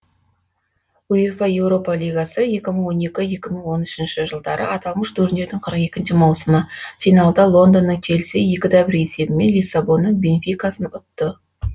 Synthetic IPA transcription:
uifɑje̞wɾo̞pɑlʲijɡasəje̞kʲɪməɴwo̞ne̞kʲɪje̞kʲɪməɴwo̞nʏʃɪnʃɪʒəlˠd̪ɑɾʔə̰ʔɑt̪ɑlˠməʃt̪ʰɵɾɪnd̪e̞ɾd̪ɪŋqʰəɾəqe̞kʲɪnʃɪmɑwsəməfijnalˠd̪ɑlˠo̞nd̪o̞nːəɴt̪ʲʰelsɪje̞kʲɪd̪ɑbɪɾe̞se̞bɪme̞nlijsːabo̞nːəɴbe̞nfʲijkasənʊt̪ːə

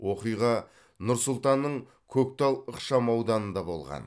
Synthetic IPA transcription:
wʔo̞qijʁɑ | nʊɾsʊlˠt̪ɑnːəɴ | kʲʰɵk̚t̪ɑlˠəqʃɑmɑwd̪ɑnənd̪ɑbo̞̰lˠʁɑ̰n

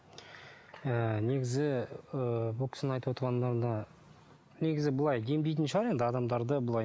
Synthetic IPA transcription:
əne̞ɡʲɪzɪəbʊlˠkʰʲɪ̥snɪɑjt̪əwot̪əɾʁɑnːɑɾd̪ɑ | ne̞ɡʲɪzɪbʊlˠɑjɡ̪ʲʰe̞md̪ejt̪ɪnʃɪɑɾe̞nd̪ɪɑd̪ɑmd̪ɑɾd̪əbʊlˠɑj

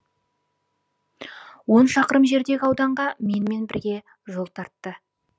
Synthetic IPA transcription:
wo̞nʃɑqəɾəmʒe̞ɾd̪e̞ɡʲɪɑwd̪ɑɴʁɑme̞nme̞nbɪɾɡʲe̞ | ʒo̞lˠt̪ʰɑɾt̪ːə

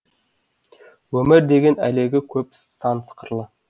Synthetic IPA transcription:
wɵmɪɾd̪e̞ɡʲe̞næ̰le̞ɡʲɪkʲʰɵpsɑnsʰə̥qəɾlˠə

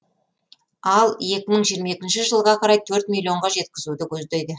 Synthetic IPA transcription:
ɑlˠje̞kʲɪməɴʒijəɾmɑekʲɪnʃɪʒəlˠʁɑqʰɑɾɑjt̪ʰɵɾt̪̚mʲilʲːio̞ɴʁɑʒe̞t̪̚kʲɪzud̪ɪkʲʰɵzd̪ejd̪ɪ

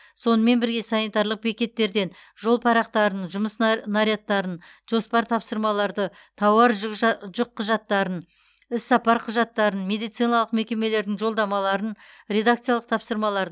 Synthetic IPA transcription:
so̞nəme̞nbɪɾɡʲe̞sɑnit̪ɑɾlˠəq̚be̞kʲe̞t̪ːe̞ɾd̪e̞nʒo̞lˠpʰɑɾɑqt̪ɑɾənʒʊməsnaɾʲjat̪ːɑɾənʒ̥o̞spɑɾt̪ʰɑpsəɾmɑlˠɑɾd̪ə | t̪ʰɑwɑɾʒʊqʰːʊʒɑt̪ːɑɾən | ɪsːɑpɑɾqʰʊʒɑt̪ːɑɾənme̞d̪ijt̪sijnɑlˠəq̚me̞kʲe̞me̞le̞ɾd̪ɪŋʒo̞lˠd̪ɑmɑlˠɑɾənɾe̞d̪ak̚t̪sijalˠəq̚t̪ʰɑpsəɾmɑlˠɑɾd̪

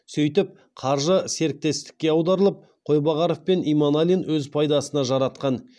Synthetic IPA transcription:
sɵjt̪ɪp̚ | qʰɑɾʒəse̞ɾɪk̚t̪e̞st̪ɪ̥kʲːe̞ɑwd̪ɑɾəlˠəp̚ | qʰo̞jbɑʁɑɾofpe̞nijmanalʲinwɵzpʰɑjd̪ɑsənɑʒɑɾɑt̪qɑn

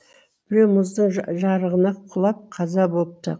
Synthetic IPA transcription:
bb̥ɪɾewmʊzd̪əɴʒɑɾəʁənɑqʰʊlˠɑp̚qʰɑzɑbolˠəp̚t̪ə̰

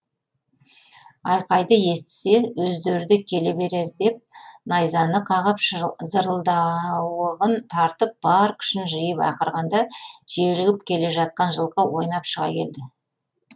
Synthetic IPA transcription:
ɑjqɑjd̪əje̞st̪ɪ̥se̞wɵzd̪e̞ɾɪd̪ɪkʲʰe̞le̞be̞ɾe̞ɾd̪e̞p̚nɑjzɑnəqʰɑʁəpzəɾəlˠd̪ɑwəʁənt̪ʰɑɾt̪əp̚b̥ɑɾkʲʰʏ̥ʃɪnʒəjəpɑ̰qəɾʁɑnd̪ɑʒ̥elɪɡʲɪpkʲʰe̞le̞ʒɑt̪̚qɑnʒəlˠqɑwo̞jnɑpʃəʁɑ̰kʲʰe̞̰ld̪ɪ

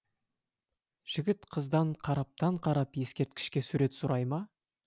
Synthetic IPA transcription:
ʒ̥ɪɡʲɪt̪qʰəzd̪ɑɴqʰɑɾɑp̚t̪ɑɴqʰɑɾɑpje̞skʲe̞ɾt̪̚kʲɪ̥ʃkʲe̞suɾe̞t̪sʊɾɑjmɑ

